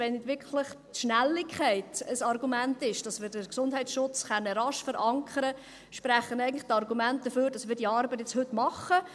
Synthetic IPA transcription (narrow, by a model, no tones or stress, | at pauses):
ʋɛnɪtʋɪkʰlɪχtʃnælːɪkʰχɛɪtəsɑrɡumæntɪʃd̥ɑsmɪːɾdəɾksʊnd̥ɦɛɪt͡sʃʊt͡sχɛnːəɾɑʃfəɾɑŋkʰəɾə | ʃpræχːənɛɪɡəntlɪχtɑrɡumænt̚d̥əføːɾd̥ɑsmɪːɾdiɑːɾbətɛt͡shɵtmɑχə